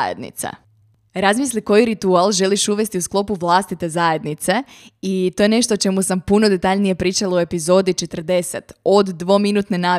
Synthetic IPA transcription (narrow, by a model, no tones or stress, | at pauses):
jḛd̪nḭt̪sḛ | ɾazmisliko̞jiɾit̪ualˠʒe̞liʃuʋe̞st̪iusklˠo̞puʋlˠast̪it̪e̞zaje̞d̪nit̪se̞it̪o̞je̞ne̞ʃt̪ot͡ʃe̞musampuno̞d̪e̞t̪aʎnije̞pɾiːt͡ʃalaoe̞pizo̞ːd̪it͡ʃe̞t̪r̩d̪e̞se̞t̪od̪ːʋo̞minut̪nenaː